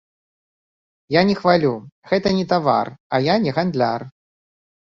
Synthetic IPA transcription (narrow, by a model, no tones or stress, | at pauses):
janʲɛxvalʲuɣɛt̪ɐnʲɛt̪ava̰rajanʲɛɣand̪lʲa̰r